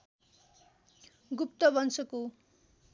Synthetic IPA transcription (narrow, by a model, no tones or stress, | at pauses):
ɡup̚t̪ʌbʌnsʌko